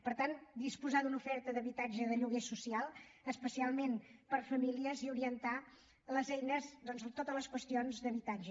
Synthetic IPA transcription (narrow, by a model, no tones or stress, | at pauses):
pəɾt̪and̪ispuzaðunufɛɾt̪əðəβit̪ad͡ʒəðəʎuɣesusialˠəspəsialˠmenpəɾfəmiliəziuɾiənt̪a | ləzɛjnəzd̪ɔnzət̪ot̪ələskwəst̪ionzðəβit̪ad͡ʒə